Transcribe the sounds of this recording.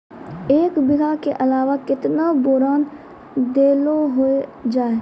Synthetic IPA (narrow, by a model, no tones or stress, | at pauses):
eːkbɪɡakeʔɐlaːʋakɪt̪naboːɾaːn | d̪eːloɦoed͡ʒaːe